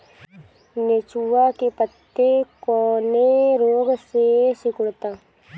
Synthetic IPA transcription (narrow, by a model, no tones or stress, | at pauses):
net͡ʃuʋakepət̪ːekoːneɾoːɡsesɪkʊɽt̪aː